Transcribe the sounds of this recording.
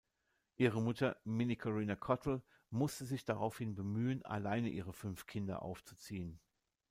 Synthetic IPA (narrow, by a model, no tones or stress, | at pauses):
ʔiːʁəmʊtʰɐmɪnikʰɔʁiːnakʰɔtʰl̩ | mʊstəzɪçd̥aʁaʊfhɪnbəmyːəna̰laɪnəʔiːʁ̞əfʏnfkʰɪndɐ̰ʔa̰ʊft͡su̥t͡siːən